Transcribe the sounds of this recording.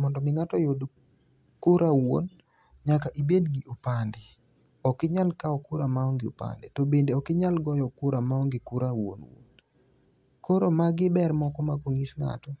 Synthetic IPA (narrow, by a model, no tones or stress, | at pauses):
mɔndɔmɪŋatɔjod | kʊɾʔawo̰n | ɲakaʔibedɡiʔopandɛ | ɔkɪɲalkaɔkʊɾamaɔŋɡɪo̰pa̰ndɛtɔbendeɔkɪɲalɡɔjɔkʊɾamaɔŋɡɪkʊɾawo̰nwo̰n | koɾomaɡɪbɛrmɔkɔmakoŋisŋa̰tɔ